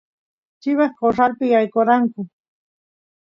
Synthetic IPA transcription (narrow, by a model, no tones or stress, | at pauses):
t͡ʃɪwɑχkosalpɪjajkoɾaŋkʊ